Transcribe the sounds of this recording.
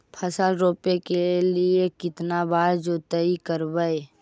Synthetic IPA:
pʰəsəlɾoːpekeliekɪt̪nabaːɾd͡ʒoːt̪əikəɾbəe

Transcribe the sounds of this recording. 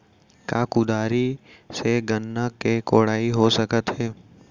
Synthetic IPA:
kaːkud̪aːɾiseɡənːəkekoːɽaːiɦosəkət̪ɦɛː

